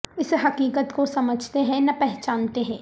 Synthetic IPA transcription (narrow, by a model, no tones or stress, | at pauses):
ɪsɦɐkiːkət̪kosɐməd͡ʒʱt̪eɦɛ̃nɐpɛɦt͡ʃaːnt̪eɦɛ̃ː